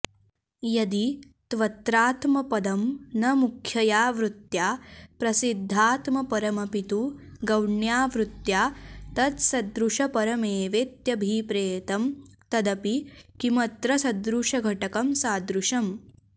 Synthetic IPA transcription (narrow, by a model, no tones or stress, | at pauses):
jɐd̪i | t̪ʋɐt̪ɾaːt̪mɐpɐd̪ɐmnɐmukʰjɐjaːʋɾut̪jaːpɾɐsid̪ʱːaːt̪mɐpɐɾɐmɐpit̪u | ɡɐwɳjaːʋɾut̪jaːt̪ɐt̪sɐd̪ɾuʂɐpɐɾɐmeːʋeːt̪jɐbʱipɾeːt̪ɐm | t̪ɐd̪ɐpikimɐt̪ɾɐsɐd̪ɾuʂɐɡʱɐʈɐkɐmsaːd̪ɾuʂɐm